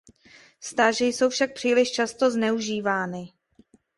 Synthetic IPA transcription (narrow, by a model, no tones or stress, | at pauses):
st̪aːʒɪjso̞wfʃak̚pr̥iːlɪʃt͡ʃast̪o̞znɛuʒiːvaːnɪ